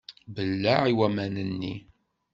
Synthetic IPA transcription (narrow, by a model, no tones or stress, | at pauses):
bəlːaʕiwæmænənːḭ